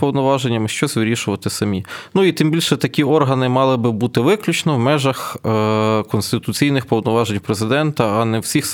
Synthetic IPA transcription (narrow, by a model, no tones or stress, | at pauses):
pɔwnɔʋɑʒenʲːɐmɪʃt͡ʃɔsʲʋɪɾʲiʃʊʋɐt̪ɪsɐmʲinuit̪ɪmbʲilʲʃɛt̪ɐkʲiɔrɦɐnɪmɑlˠɪbɪbut̪ɪʋɪklʲut͡ʃnɔwmɛʒɐx | kɔnst̪ɪt̪ʊt͡sʲijnɪxpɔwnɔʋɑʒenʲwpɾezɪd̪ɛnt̪ɐːnɛwsʲix